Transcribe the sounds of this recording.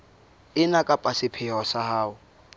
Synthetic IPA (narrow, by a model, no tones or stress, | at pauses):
ɪnakʼapʼasɪpʰɪɔsahaːʊ